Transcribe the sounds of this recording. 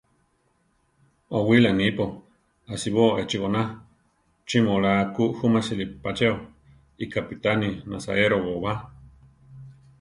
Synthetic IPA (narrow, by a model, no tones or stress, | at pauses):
owilanipo | asiβoet͡ʃiɣona | t͡ʃimolakuʔhumasilipat͡ʃeo | ikapit̪aninasa̰eɾoβoβa